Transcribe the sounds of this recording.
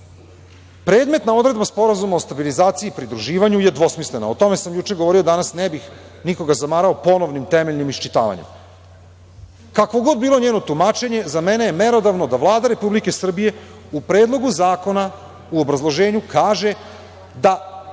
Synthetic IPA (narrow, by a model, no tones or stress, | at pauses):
pɾe̞ːd̪me̞t̪nao̞d̪ɾe̞d̪baspo̞ɾazumao̞st̪abilizaːt̪siiːpɾid̪ɾuʒiːʋaɲuje̞d̪ʋo̞smislenaot̪o̞me̞samjut͡ʃe̞ɡoʋo̞ɾio̞d̪anasnebix | niko̞ɡazamaːɾaopo̞no̞ʋnimt̪emeʎnimiʃt͡ʃit̪a̰ːʋa̰ɲem | kakʋo̞ɡo̞d̪̚biːlˠo̞ɲeːno̞t̪umaːt͡ʃe̞ɲe̞zamenejeme̞ɾo̞d̪aʋno̞d̪aʋlˠaːd̪aɾe̞publike̞sr̩bije̞ | upɾeːd̪lˠo̞ɡuzaːko̞na | uobɾazlˠo̞ʒe̞ːɲukaːʒe̞ | d̪a